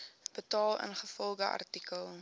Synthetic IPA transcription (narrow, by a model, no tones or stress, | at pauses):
b̥ətɑːlˠə̰nχəfɔlˠdəʔɐ̰rtikəlˠ